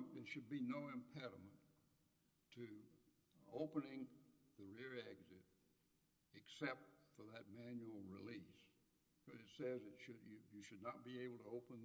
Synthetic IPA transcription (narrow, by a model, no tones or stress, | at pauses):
ðɨ˞ʃɨd̚binoʊɨ̃mpʰɛɾəmə̃n | tʰɨ | oʊpənɪ̃ŋðɨɹɪɹæɡzɪɾ | ɨksɛp̚tfə˞ðɨt̚mæ̃njul̩ˠɹilis | kʌzɨtsɛzɨtʃɨd͡ʒɨjɨʃɨdⁿnət̚b̥ieɪbl̩ˠtʰəoʊpə̃n